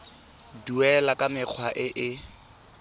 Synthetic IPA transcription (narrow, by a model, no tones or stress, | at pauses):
duɛlakʼamɪq͡χʰwaʔɪʔɪ